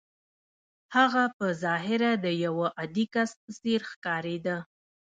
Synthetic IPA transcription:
haɣapəzɑɦɪɾad̪əjawəʔad̪ikasəseɾxkɑɾed̪ə

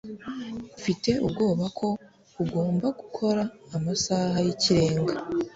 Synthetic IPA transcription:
ufite̞ʔub̚ɡo̞ːβakʰo̞ | uɡo̞ːmbaɡukʰo̞ɾaːmasaːɦajiciɾe̞ːŋɡa

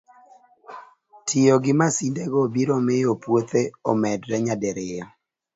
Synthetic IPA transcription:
tʰɪjoɡɪmasindeɡɔbiɾɔmɪjopwot̪eɔmɛdɾɛɲadeɾɪjɔ

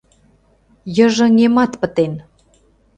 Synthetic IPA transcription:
jə̆ʒɤ̆ŋemɑt̪pə̆t̪en

